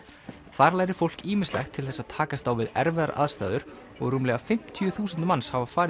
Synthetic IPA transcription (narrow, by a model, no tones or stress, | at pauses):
θaɾlajɾɪfowl̥kiːmɪnslɛ̰xt̪ʰːɪlθɛsːaðt̪ʰaːkast̪awvɪðɛ̰ɾvɛðaɾʔa̰ðst̪a̰ːjðʏɾ̥ | ɔɣɾuːmlɛɣafɪm̥t̪ʰjʏθuːsʏnt̪manshavafaːɾɪ